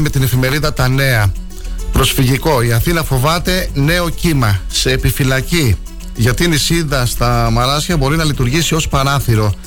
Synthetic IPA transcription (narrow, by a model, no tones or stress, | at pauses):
me̞t̪ine̞fime̞ɾiðɐt̪ɐne̞ɐ | pɾo̞sfiʝiko̞iɐθinɐfo̞vɐt̪e̞ne̞o̞cimɐse̞ːpifilɐci | ʝɐt̪inisiðɐst̪ɐmɐɾɐsçɐbo̞ɾinɐlit̪uɾʝisio̞spɐɾɐθiɾo̞